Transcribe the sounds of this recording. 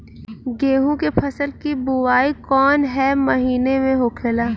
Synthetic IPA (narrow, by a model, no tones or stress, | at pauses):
ɡeːɦũkepʰɐsəlkibʊwaːikɔːnɦɛmɐɦiːnemẽɦoːkʰelaː